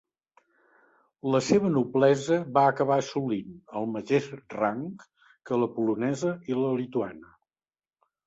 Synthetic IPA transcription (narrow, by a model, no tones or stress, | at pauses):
ləseβənuβlɛzəβaəkəβaəsulinəlˠməteʃraŋk | kələpulunɛzəiləlit̪uanə